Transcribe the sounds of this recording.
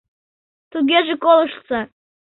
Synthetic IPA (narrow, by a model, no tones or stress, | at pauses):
t̪uɣʲeʒĕkolˠəʃsɑ